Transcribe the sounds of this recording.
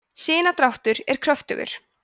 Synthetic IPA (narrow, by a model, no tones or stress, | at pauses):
sɪːnat̪ɾawht̪ʏɾɛɾ̥kʰɾœft̪ʏ̰ɣʏ̰ɾ̥